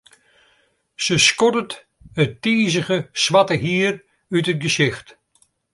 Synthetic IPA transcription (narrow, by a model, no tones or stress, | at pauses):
səskɔdət | ətiːzəɣəsʋatəɦiːr | ytət̚ɡəsɪxt